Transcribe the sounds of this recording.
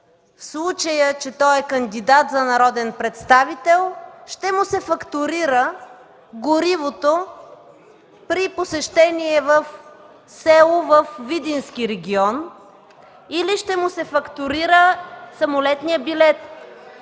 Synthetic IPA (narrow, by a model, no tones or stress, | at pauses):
fslˠut͡ʃəjət͡ʃɛt̪ɔɛkənd̪id̪at̪zɐnɐɾɔd̪ɛnpɾɛt̪st̪avit̪ɛlˠʃt̪ɛmʊsɛfɐkt̪ʊɾiɾə | ɡoɾivot̪o | pɾiposɛʃt̪ɛniɛvəf | sɛlˠovəfvid̪insk̟iɾɛɡʲiɔn | iliʃt̪ɛmʊsɛfɐkt̪ʊɾiɾəsɐmolɛt̪nijəbilɛt̪